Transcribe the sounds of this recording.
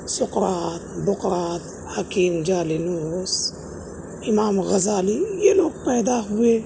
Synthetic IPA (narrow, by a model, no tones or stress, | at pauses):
sʊqɾɑːt̪bʊqɾɑːt̪ | hakiːmd͡ʒaːlinuːs | ʔimaːmɣazaːlijenoːk̚pajd̪aːxwe